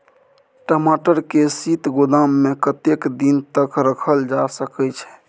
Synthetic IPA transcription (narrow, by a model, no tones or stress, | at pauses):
ʈəmaʈəɾkesit̪ɡod̪amːekət̪ekd̪int̪əkɾəkʰəld͡ʒasəkɛt͡ʃʰɛ̥